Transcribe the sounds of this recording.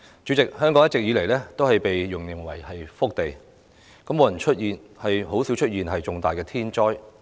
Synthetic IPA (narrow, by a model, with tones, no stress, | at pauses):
t͡ʃy˨˥t͡sɪ˨k̚hœː˥ŋkɔ˨˥ŋjɐ˥tt͡st͡ɕɪ˨k̚jiː˨˧le˨˩jlɛː˥t̪o˥whɐ˨jpe˨jːʊ˨˩ŋli˨˩ŋwɐ̰˨˩jhɐ˨jfʊ˥k̚t̪e˨j | kɐ˨˥moː˨˧jɐ˨˩nt͡ʃʰɵ˥t̚jiː˨nhɐ˨jɦo˨˥wsi˨˥wt͡ʃʰɵ˥t̚jiː˨nɦɐ˨jt͡sʊ˨ŋt̪aː˨jkɛː˧t̪ʰiː˥nt͡ʃɔː˥j